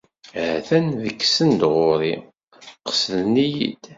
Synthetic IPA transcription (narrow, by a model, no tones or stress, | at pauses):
hθænðəkːsənd̪ʁʊɾi | qə̥sðnijḭd̪̥